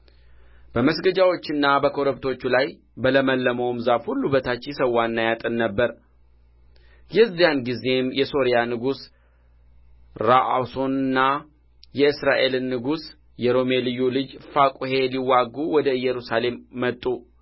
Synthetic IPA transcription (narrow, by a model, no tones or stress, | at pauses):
b̥əməsɡəd͡ʒawo̞t͡ʃːɨnːabəkʰo̞ɾəbt̪ʰo̞t͡ʃːulaj | bələməlːəmowmzafhulːubət̪ʰat͡ʃːsəwːanːajat̪ʼɨnːəbːəɾ | jɛzːijanɡize̞mjɛso̞ɾijanɨɡus | ɾaʔa̰wso̞nɨnːa | jɛɨsɾaʔe̞lɨnːɨɡus | jɛɾo̞me̞lɨjːulɨd͡ʒfakʼuhe̞liwːaɡːuwɔd̪əɨjːɛɾusale̞mːət̪ʼːu